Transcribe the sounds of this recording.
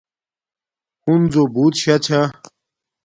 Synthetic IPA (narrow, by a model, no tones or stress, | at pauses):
hunzobut̪ɕat͡ɕʰa